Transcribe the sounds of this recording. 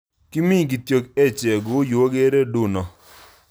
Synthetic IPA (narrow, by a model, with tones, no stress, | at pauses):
ki˦mi˦˨ɡi˨tjo˨kɛ˦˨t͡ʃɛ˨ɡʊ˨˦jo˨o˦ɡe˦ɾe˦du˦˨nɔ˨